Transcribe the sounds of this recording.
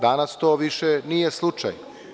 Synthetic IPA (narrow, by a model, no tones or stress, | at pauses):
d̪anast̪oːʋiʃenijeslˠut͡ʂa̰j